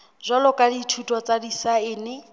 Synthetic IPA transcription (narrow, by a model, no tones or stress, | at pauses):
zʷalɔkʼaditʰutʼwɔt͡sʼadisaɪːnɪ